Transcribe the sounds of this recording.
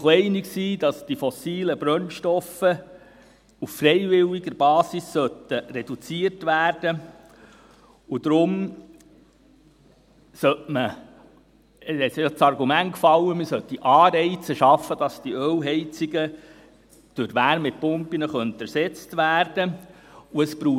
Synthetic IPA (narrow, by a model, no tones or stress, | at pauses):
χlɛɪniksiːd̥ɑsd̥ifɔsiːləbɾœnʃtɔfə | uffrɛɪvɪliɡəɾb̥ɑːsisːœt̪əɾɛd̥ut͡siəɾtʋæːɾd̥ə | ud̪̥ɾʊm | sœtmə | ɛsɑt͡sɑrɡumæntkfɑlːəməsœt̪ːiʔɑːɾɛɪt͡səʃɑfːəd̥ɑsd̥iœwɦɛɪt͡siɡə | d̥øɾʋæːɾmɪt̚pʊmpinəχœnt̪æɾsɛt͡stʋæːɾd̥ə | uəspɾuː